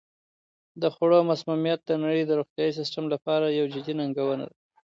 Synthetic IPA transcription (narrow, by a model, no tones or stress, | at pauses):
d̪əxoɽomasmumijat̪̚d̪ənaɽəjd̪əɾoxt̪jɑis̬ɪsʈamlapɑɾajawd͡ʒɪd̪inaŋɡawəna̰d̪a